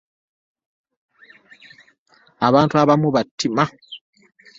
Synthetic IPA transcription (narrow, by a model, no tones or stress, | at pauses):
aβantuaβamubatːima